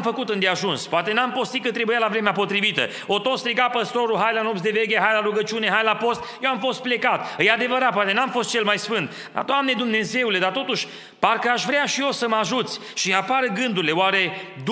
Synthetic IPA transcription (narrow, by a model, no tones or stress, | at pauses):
mfəkut̪ɨnd̪eaʒunspoat̪e̞nampo̞st̪ikət̪ɾe̞bujalavɾe̞meapo̞t̪ɾivit̪ə̰ | o̞t̪o̞t̪st̪ɾiɡapəst̪o̞ɾuɦajlanopsd̪e̞ve̞ɡʲeɦajlaɾuɡət͡ʃiune̞ɦajlapo̞st̪̚jewamfo̞st̪̚ple̞kat̪ɨjad̪e̞vəɾat̪̚poat̪enamfo̞st̪t͡ʃe̞lmajsfɨnt̪ | d̪a̰d̪oamne̞d̪umne̞ze̞ule̞d̪art̪o̞t̪uʃʲ | parkəaʃvɾeaʃijo̞səmaʒut̪sʲ | ʃiapaɾəɡɨnd̪uɾileowaɾe̞d̪